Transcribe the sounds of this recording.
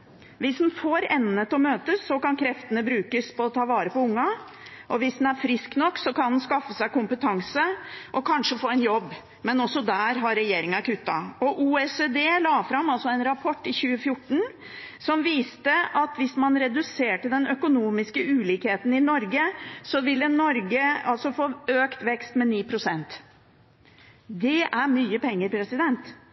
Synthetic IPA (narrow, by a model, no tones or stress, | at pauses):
ʋɪsd̪nfoːɾɛnːət̪ɔmøːt̪əsːɔkɑnkʰɾɛft̪ənəbɾʉːkəspɔːt̪ʰɑːʋɑːɾəpɔʊŋːɑ | ʔɔʋɪsd̪n̩æɾfɾɪsknɔkːsɔkɑnd̪nskɑfːəsæɪkʊmpət̪ʰɑŋsəʔɔkʰɑnʂəfoːɛnjɔbː | mɛnɔsːɔd̪æːɾɦɑɾːɛjeːɾɪŋɑkʉt̪ːɑ̰ɔʔuːɛsed̪eːlɑːfɾɑmːɑlsɔɛnɾɑpʰɔʈːɪçʉːəfjʊʈːɳ̩ | sɔmʋiːst̪əʔɑt̪ʋɪsmɑnɾɛd̪ʉseːʈəd̪ɛnœkʊnuːmɪskəʉːliːkheːt̪ən̩ɪnɔɾɡəsɔʋɪlːənɔɾɡəɑlsɔfoːøːkt̪ʋɛkst̪mɛniːpʰɾʊsɛnt̪ | d̪ɛʔæɾmyːəpʰɛŋːəɾpʰɾɛsɪd̪ɛnt̪